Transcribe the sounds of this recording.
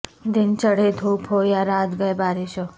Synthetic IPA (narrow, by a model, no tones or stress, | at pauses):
d̪int͡ʃəɽed̪ʱopʰojaɾad̪ɡəjbaɾiʃo